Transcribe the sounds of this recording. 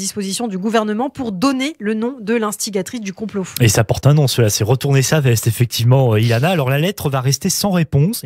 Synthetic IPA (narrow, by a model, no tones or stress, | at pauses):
d̪ispozisjɔ̃d̪yɡuvɛʁnəmɑ̃puʁd̪ɔnelənɔ̃d̪əlɛ̃st̪iɡʲat̪χis̬d̪ykɔ̃ploesaːpɔʁt̪ɛ̃nɔ̃səlasɛʁət̪uʁnesavɛst̪efɛk̚t̪ivmɑ̃øilanaːlɔʁlalɛt̪χəvaʁɛst̪esɑ̃ʁepɔ̃s